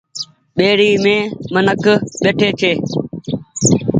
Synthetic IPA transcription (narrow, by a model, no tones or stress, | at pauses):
ɓeːɾiːmẽːmənəkɓeːʈʰeːt͡ʃʰeː